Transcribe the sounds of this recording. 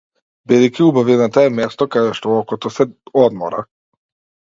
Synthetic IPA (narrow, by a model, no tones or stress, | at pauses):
bid̪ɛjkʲiubavinat̪aɛmɛst̪ɔkad̪ɛʃt̪ɔɔkɔt̪ɔsɛɔd̪mɔ̰ɾa̰